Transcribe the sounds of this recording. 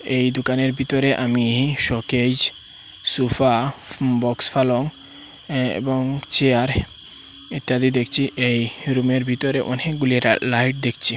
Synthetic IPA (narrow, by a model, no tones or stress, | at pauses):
ejd̪okaneɾbʱit̪oɾeʔamiʃɔked͡ʑ | sufabɔksfaloŋ | ḛboŋt͡ɕeaɾ | et̪ːad̪id̪ekʰt͡ɕʰiʔejɾumeɾbʱit̪oɾeʔoneɡuliɾ̰lajʈ̚d̪ekʰt͡ɕʰi